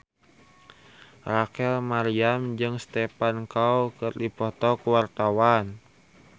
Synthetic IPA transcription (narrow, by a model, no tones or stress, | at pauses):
rakɛlmaɾiamd͡ʒɨŋst̪ɛpankawkɨrdipɔt̪ɔkuwart̪awan